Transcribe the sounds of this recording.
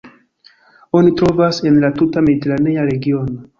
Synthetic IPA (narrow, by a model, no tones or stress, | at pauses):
o̞nitɾo̞vase̞nlatutame̞diteɾane̞aɾe̞ɡio̞no̞